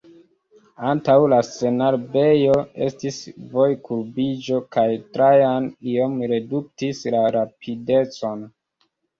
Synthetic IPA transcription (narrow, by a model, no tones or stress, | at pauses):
antawlase̞naɾbe̞jo̞e̞̰stisvo̞jkuɾbid͡ʒo̞kajtɾajanio̞mɾe̞duk̚tislaɾapʰide̞t͡so̞n